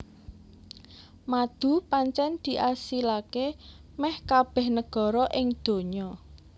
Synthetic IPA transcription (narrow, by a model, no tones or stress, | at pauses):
mad̪̥ṳpaɲt͡ʃɛnd̪̥i̤ʔasilakemɛhkab̥ɛ̤hnəɡ̥ɔ̤ɾɔʔɪŋd̪̥o̤ɲɔ